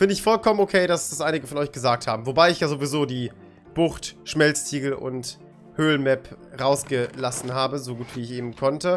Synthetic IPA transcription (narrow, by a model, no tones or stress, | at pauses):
fɪndəɪçfɔlkʰɔmənokʰeːdasd̥asʔaɪnɪɡəfɔnɔʏçɡ̥əzaːk̚thaːbm̩vobaɪɪçjaːzovizoːdiː | b̥ʊχtʃmɛlstʰiːɡl̩ʔʊ̰nt | høːlnmɛpʁaʊsɡ̥əlasn̩ɦaːbəzoɡuːtv̥iːɪçʔeːbm̩kʰɔntə